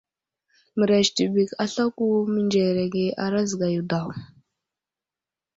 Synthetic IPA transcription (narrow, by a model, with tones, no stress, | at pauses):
mə˨ɾa˨ʃti˨bi˨ka˨ɬa˦ku˦mi˦nd͡ʒe˨ɾa˨ɡe˨ʔa˨ɾa˦zɡa˨ju˨da˨w